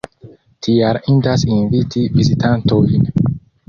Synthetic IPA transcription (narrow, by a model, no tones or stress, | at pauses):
tʰijaɾindasinvitʰivizitʰantojn